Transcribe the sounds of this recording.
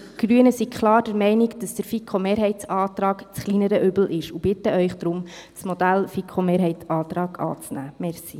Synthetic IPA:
ɡ̥ɾyənəsikʰχlɑːrd̥əɾmɛɪniɡd̥ɑsd̥əɾfikʰomeːɾɦɛɪt͡sɑːtrɑːɡt͡sχlinəɾəʔʏbl̩ʔɪʃub̥ɪtəʔœʏχd̥ɾʊmt͡smod̥ælfikʰχomeːɾɦɛɪt͡sɑːtɾɑːɡ̥ɑ̰ːt͡snæ̰ːmɛɾsi

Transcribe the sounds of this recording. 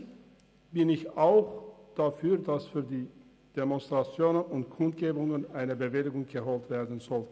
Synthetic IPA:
b̥ɪnɪçaʊxd̥afyːɐdasfyːɐdiː | d̥emɔnstʁ̥at͡sjoːnənʊntkʰʊnt̚ɡ̥eːbʊŋənaɪnəbəvɪlɪɡʊŋɡ̥əhoːltv̥eːɐdn̩zɔl

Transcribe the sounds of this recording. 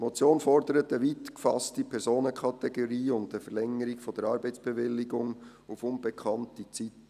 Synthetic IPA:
mɔt͡sjoːnfɔɾdəɾətəʋiːt̪kfɑstipʰɛɾsoːnəkʰɑtɛɡoɾiːʊntəfəɾlɛŋəɾɪkfɔd̥əɾɑːɾbɛɪt͡sb̥ɛʋɪlːɪɡʊŋ | ufʊnb̥ɛkʰɑntit͡sit

